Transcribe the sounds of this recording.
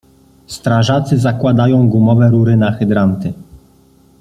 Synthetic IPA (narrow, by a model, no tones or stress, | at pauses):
st̪ɾaʐat̪sɘzakwad̪ajɔ̃w̃ɡumɔvɛɾuɾɘnaxɘd̪ɾant̪ɘ